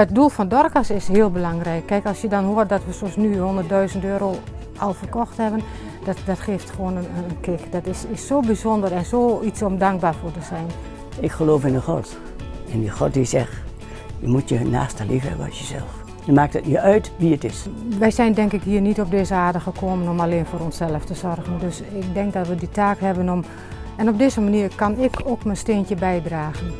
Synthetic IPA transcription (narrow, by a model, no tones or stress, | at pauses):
ət̚dulˠfɔndɔrkəsɪshɪːəlˠbəlaŋrɛjkːɛjkɔlˠsjədɔnɦoərt̚dɔtʋəsɔmsnyhondərt̚dœɥzəntøːɾoː | ʔɔlˠfərkɔxthɛbən | dɔtdɔtxɪːftxʋoənəəənkɪkd̥ɔtɪsɪsːoːbizɔndəɾɛnsoːisɔmdaŋk̚baːrfoːrtəzɛjn | ɪkxəloːfɪnəxɔ̰t | ɛndəxɔt̚isɛx | jəmutjəna̰ːstəlifhɛ̰bə̰nɔ̰sjəzɛ̰lˠf | jəmaːk̚tətniœɥtʋiətɪsʋɛjsɛjndɛŋkɪkɦiːərnitɔb̚deːzəaːrdəxəkʰoːmənɔmaleːnfoːɾɔnsɛlˠəftəzɔrɣəndøsɪk̚dɛŋk̚dɔtʋəditaːkɦɛbənɔm | ɛnɔb̚dɪːzəmaniːrkɑnɪkʰoːkmənsteːntjəbɛjdraːɣən